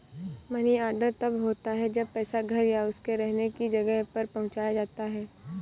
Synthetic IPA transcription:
mɐniaːɾɖəɾt̪ɐbɦoːt̪aɦɛd͡ʒɐbpɛːsaɡʱɐɾjaʊskeɾɛɦnekid͡ʒɐɡəɦpɐɾpɐɦʊ̃t͡ʃaːjad͡ʒaːt̪aɦɛː

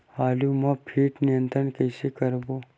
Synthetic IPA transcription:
haːlumɐpʰiːʈnijə̃nt̪ɾənkɛːsekɐɾboː

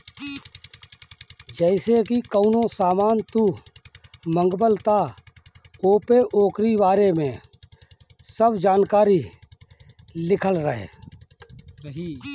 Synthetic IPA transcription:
d͡ʒɛɪsekikəʊnõsaːmaːnt̪u | mə̃ŋɡbəlt̪a | oːpeʔoːkɾibaːɾemẽ | səbd͡ʒaːnkaːɾi | lɪkʰəlɾəɦḛː

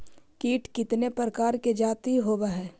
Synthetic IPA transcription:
kiːʈkɪt̪nepɾəkaːɾked͡ʒaːt̪iɦoːbaɦɛː

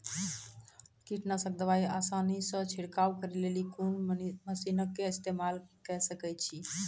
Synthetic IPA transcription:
kiʈnasək̚d̪əʋaiasanisə̃t͡ʃʰiɽkawkəɾelelikunməsinəkːeːst̪emalkɛsəkɛt͡ʃʰi

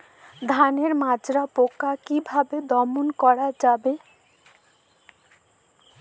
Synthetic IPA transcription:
d̪ʱaneɾmad͡ʑɾapokakibʱabed̪ɔmonkɔɽad͡ʑabe

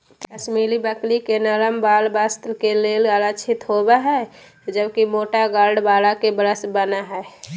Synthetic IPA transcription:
kət͡ʃmilibəklikenələmbalbəst̪lkelelələt͡ʃʰit̪ɦobɛɦɛ | d͡ʒəbkimoʈaɡaɾɖbalakebəɾəsbənaɦɛe

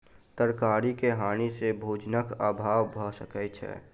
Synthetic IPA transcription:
t̪əɾkaːɾikeɦaːnisebʱoːd͡ʒnəkaːbʱaːʋbʱəsəkət͡ʃʰɛ̰

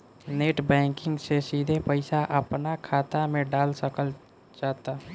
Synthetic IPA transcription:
neːʈbɛ̃ːŋkɪ̃ŋɡsesiːd̪ʱepəɪsaʔəpnakʰaːt̪amẽɖaːlsəkəl | t͡ʃaːt̪a

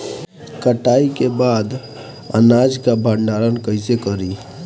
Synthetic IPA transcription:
kəʈaikebad̪ | ə̰nad͡ʒkabʱəɳɖaɾənkəɪsekəɾi

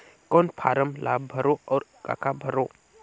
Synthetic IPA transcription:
kɔnpʰa̰ɾəmlʔabbʱəɾoɔɾka̰kʰabʱəɾo

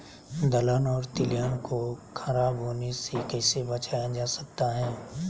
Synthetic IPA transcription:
d̪ɐlənɔːɾt̪ɪlijankokʰɐɾaːbɦoːnesekɛːsebɐt͡ʃaːjad͡ʒaːsɐ̥k̚t̪aɦɛ̃ː

